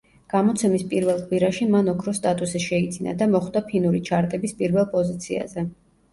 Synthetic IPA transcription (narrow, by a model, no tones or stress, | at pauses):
ɡ̥amɔt̪sʰɛmispʼiɾvɛlˠqʼwiɾaʃimanɔkʰɾɔst̪ʼat̪ʼusiʃɛid̪zina̰d̪amɔχd̪apʰinuɾit͡ʃʰaɾt̪ʼɛbispʼiɾvɛlˠpʼɔzit̪sʰia̰zɛ